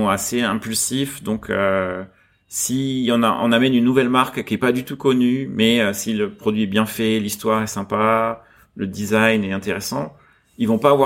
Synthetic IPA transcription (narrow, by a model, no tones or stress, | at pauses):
ɔ̃aseɛ̃pylsifd̪ɔ̃kʰø | siɑ̃naʔɑ̰̃namɛnynːuvɛlmaʁkkʲiɛpad̪yt̪ukɔnymɛøsiləpχɔd̪ɥiɛbjɛ̃fɛlist̪waʁɛsɛ̃pa | ləd̪izajnɛt̪ɛ̃t̪eʁɛsɑ̰̃ | ilvɔ̃paːvwa